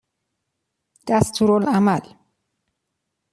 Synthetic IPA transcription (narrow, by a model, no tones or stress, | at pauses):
d̪̥æst̪ʰuːɾolæmæl